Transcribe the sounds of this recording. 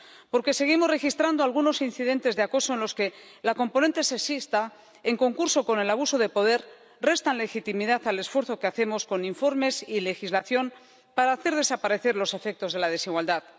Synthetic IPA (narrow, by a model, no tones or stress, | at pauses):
po̞ɾke̞se̞ɣ̞imo̞zre̞xist̪ɾand̪oalɣ̞uno̞sinθiðe̞nt̪e̞zðeako̞so̞enlo̞ske̞ | lako̞mpo̞nent̪e̞se̞sist̪a | eŋko̞ŋkuɾso̞ko̞ne̞laβuso̞ðe̞po̞ðe̞ɾ | re̞st̪anle̞xit̪imiðaθale̞sfwe̞ɾθo̞keaθe̞mo̞sko̞niɱfo̞ɾme̞sile̞xizlaθjo̞n | paɾaːθe̞ɾð̞e̞sapaɾe̞θe̞ɾlo̞se̞fe̞k̚t̪o̞zð̞e̞laðe̞siɣwald̪að